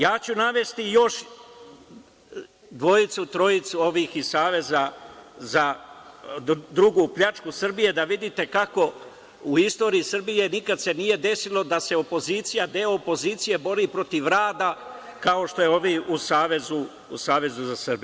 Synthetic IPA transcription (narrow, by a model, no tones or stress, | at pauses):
jaːt͡ɕunaʋe̞st̪ijo̞ʃ | d̪ʋo̞jit̪sut̪ɾo̞jit̪suo̞ʋiːxisaːʋe̞zaza | d̪ɾuɡuːpʎʲat͡ʃkusr̩bije̞d̪aʋid̪it̪e̞kako̞ | uist̪o̞ːɾiisrbije̞nikad̪se̞nije̞d̪e̞silˠo̞d̪ase̞o̞po̞ziːt̪sijad̪eoopo̞ziːt̪sije̞bo̞ɾiːpɾo̞t̪iʋɾaːd̪a | kao̞ʃt̪o̞jeoʋiusaːʋe̞zu | ṵsaːʋe̞zuzasrbi